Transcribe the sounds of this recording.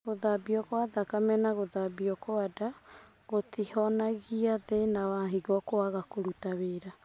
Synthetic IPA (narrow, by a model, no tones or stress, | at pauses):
ɣoðabiɔkoaðakamɛnaɣoðabiɔkoada | ɣotihɔnaɣiaðenawaɦiɣɔkoaɣakoɾutaβeːɾa